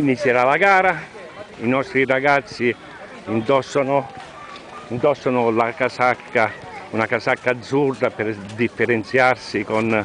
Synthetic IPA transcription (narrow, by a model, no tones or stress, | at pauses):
init̪sːjɛɾalaɡaːɾa | inɔst̪ɾiraɡat̪sːi | ind̪ɔsːonʊ | ind̪ɔsːonʊlakasakːa | unakasakːad̪zːurːapɛrd̪ifːɛɾɛnt̪sjarsikɔn